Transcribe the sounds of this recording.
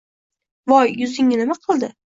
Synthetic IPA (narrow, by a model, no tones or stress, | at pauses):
vɒjːʊzɪŋːɪnɪmaqʰɨlˠd̪ɪ